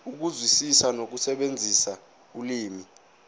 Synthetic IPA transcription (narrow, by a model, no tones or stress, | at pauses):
uk̬uzwisisanok̬usɛɓend͡zʱisa | uliːmi